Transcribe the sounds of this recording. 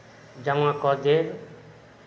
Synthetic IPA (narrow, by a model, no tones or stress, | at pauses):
d͡ʒamãkɔd̪eɾ